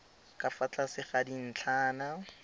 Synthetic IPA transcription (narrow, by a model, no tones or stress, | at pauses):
kʼafat͡ɬʼasɪχadin̩t͡ɬʰaːna